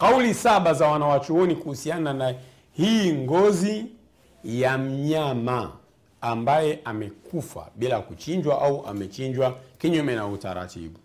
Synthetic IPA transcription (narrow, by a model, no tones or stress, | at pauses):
kaulisaɓazawanawat͡ʃuɔnikuhusianana | hiːŋɡɔzi | jam̩ɲamaː | mbajɛʔamɛkufa̰ɓilakut͡ʃiɲd͡ʒwaʔauʔa̰mɛt͡ʃiɲd͡ʒwakiɲumɛnauta̰ɾa̰tḭɓu